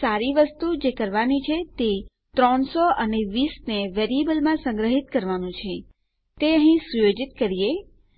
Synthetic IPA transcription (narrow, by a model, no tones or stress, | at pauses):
saɾiʋəst̪ud͡ʒekəɾʋanit͡ʃʰet̪e | t̪ɾɔɳsoʔəneʋisneʋeɾiebəlmãsə̃ŋɡɾəɦit̪kəɾʋanũt͡ʃʰe | t̪eəɦĩsujod͡ʒit̪kəɾije